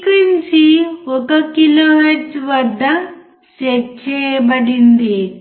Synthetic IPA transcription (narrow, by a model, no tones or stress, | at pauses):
kiɲt͡ʃiɔkɐkiloːɦeɾsʋɐd̪ʱːɐ | t͡ʃekt͡ʃɛːjɐbɐɽind̪i